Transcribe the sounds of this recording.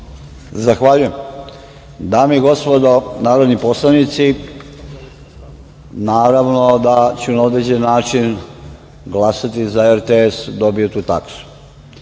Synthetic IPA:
zaxʋaʎujem | d̪aːmiiɡo̞spod̪onaːɾod̪nipo̞slˠanit̪si | naːɾaʋno̞d̪at͡ɕunaod̪ɾed͡ʑenːaːt͡ʃin | ɡlasat̪izaeɾt̪eesd̪o̞biot̪uːt̪a̰ksu̥

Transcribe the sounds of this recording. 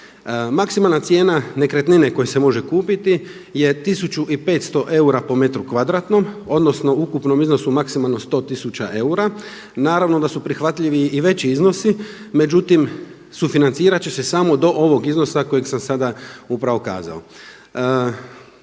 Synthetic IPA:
maksimalˠnat̪sje̞ːnane̞kɾet̪nine̞ko̞jesemo̞ʒe̞kuːpit̪i | je̞t̪isut͡ɕuʔipe̞ːt̪st̪o̞ʔe̞uɾapo̞me̞t̪ɾukʋad̪ɾaːt̪no̞mo̞d̪no̞sno̞ukupno̞mizno̞sumaksimalˠno̞st̪o̞ːt̪isut͡ɕaʔe̞uɾa | naːɾaʋno̞d̪asupɾixʋat̪ʎiʋiːʋe̞t͡ɕiizno̞si | me̞d͡ʑut̪im | sufinant̪siːɾat͡ɕesesamo̞d̪o̞ʔo̞ʋo̞ɡizno̞sako̞jeɡsamsad̪aupɾaʋo̞ka̰ːza̰o̰

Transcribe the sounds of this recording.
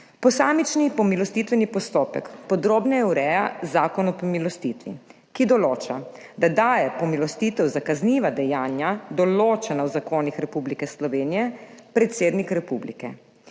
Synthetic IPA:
pɔsaːmit͡ʃnipɔmilɔst̪it̪ʋɛnipɔst̪oːpɛ̰kpɔd̪ɾoːbnajɛwɾɛjazaːkɔnɔpɔmilɔst̪it̪ʋḭ | kid̪ɔloːt͡ʃa | d̪ad̪aːjɛpɔmilɔst̪iːt̪ɛwzakazniːʋad̪ɛjaːnjad̪ɔloːt͡ʃɛnawzakoːnixɾɛpublikɛslɔʋeːnijɛpɾɛt̪seːd̪nikɾɛpublḭkɛ̰

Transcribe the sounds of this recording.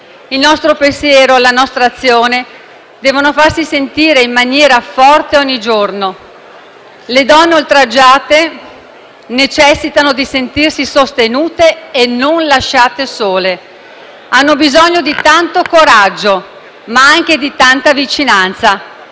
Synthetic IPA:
ilnɔst̪ɾopensjɛːɾolanɔst̪ɾaːt̪sːjoːne | d̪ɛːvonofarsisent̪iːɾeimːanjɛːɾafɔrt̪eɔɲːid͡ʒorno | led̪ɔnːeolt̪ɾad͡ʒːaːt̪e | net͡ʃɛsːit̪anod̪isent̪irsisost̪enuːt̪eːnonlaʃːaːt̪esoːle | anːobizɔɲːod̪it̪ant̪okoɾad͡ʒːo | maaŋk̟ed̪it̪ant̪avit͡ʃinant̪sa

